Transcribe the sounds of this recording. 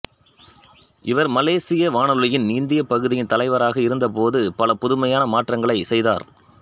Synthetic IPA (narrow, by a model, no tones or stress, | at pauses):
ʔɪʋɐɾmɐleːsɪjɐʋaːɳɐllɯjɪnniːnd̪ɪjɐpɐɣɯðɪjɪnt̪ɐlɐɪʋɐɾaːɣɐɪɾɯnd̪ɐp̬oːðɯpɐlɐpʊðɯmɐjaːnɐmaːʈrɐŋɡɐɭɐɪsɛjða̰ːɾ